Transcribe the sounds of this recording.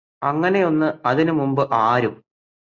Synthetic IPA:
ɐŋːɐne̞jo̞nːɨɐðinumumbɨʔaːɾum

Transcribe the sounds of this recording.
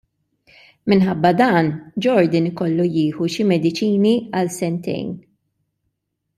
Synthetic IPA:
mɪnħɐbːɐd̪ɐːnd͡ʒɔɾd̪ɪnɪkɔlːujɪːħuʃimɛd̪ɪt͡ʃiːniɐlsɛnt̪ɛ̰jn

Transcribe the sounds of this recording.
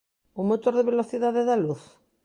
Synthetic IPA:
uŋmot̪oɾðeβeloθiðaðeðaluθ

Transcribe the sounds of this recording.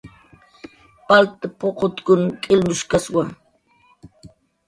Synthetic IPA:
palt̪apoqot̪kʊnkʼɪlmʊʃkaswa

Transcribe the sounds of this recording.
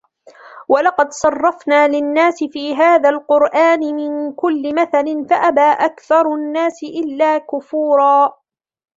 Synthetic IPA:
wɑlɑqɑd̪sˤɑrˤːɑfnaːlɪnːaːsɪfiːɦaːðalqʊɾʔaːnɪmɪnkʊlːɪmaθalɪnfaʔabaːʔakθɑɾˤnːaːsɪʔɪlːaːkʊfuːɾˤɑː

